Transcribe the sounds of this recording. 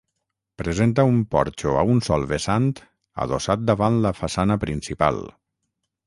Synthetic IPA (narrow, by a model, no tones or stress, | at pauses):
pɾezent̪əumpɔ̰ɾt͡ʃoa̰unsɔlˠβesant̪ | a̰ðosat̪̚d̪aβanləfasanəpɾinsipa̰lˠ